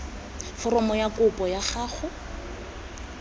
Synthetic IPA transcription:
fɔrɔmɔjakʊpʼɔjaχaːχʊ

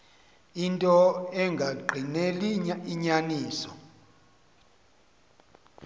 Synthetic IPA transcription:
intʼɔɛŋɡʱaɡ͡ǃʱineliiɲaniːsɔ

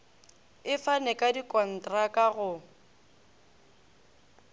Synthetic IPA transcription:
ɪfanɛkʼadikʼɔn̩tʼrakʼaɣʊ

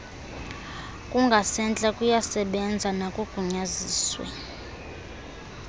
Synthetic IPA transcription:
kʼuŋɡʱasɛnt͡ɬʼakʼujasɛɓɛnd͡zʱanakʼuɡ̥ʱuɲaziːswɛ̰

